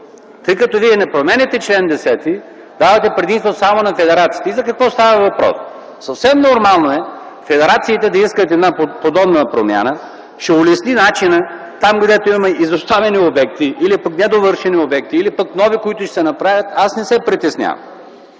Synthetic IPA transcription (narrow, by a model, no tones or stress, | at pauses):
t̪ɤjkɐt̪ɔviɛnɛpɾomɛnʲɛt̪ɛt͡ʃlɛnd̪ɛsɛt̪i | d̪avɐt̪ɛpɾɛd̪ĩst̪vosamonɐfɛd̪ɛɾat̪si̥ːt̪ɛizɐkɐkvɔst̪avɐvɐpɾɔ̰s | sɐfsɛmnoɾmalˠnoɛ | fɛd̪ɛɾat̪siːt̪ɛd̪ɐiskət̪ɛɛd̪napopod̪ɔbnəpɾo̰mja̰nə | ʃɛʊlɛsninat͡ʃinə | t̪amɡd̪ɛt̪oimmɛʔizost̪avɛniobɛk̚t̪iʔilipəknɛd̪ovɤɾʃɛniobɛk̚t̪iːlipəknɔvikoit̪ʊʃɛsɛnɐpɾavʲət̪asnɛsɛpɾit̪ɛsnʲa̰vɐ̰m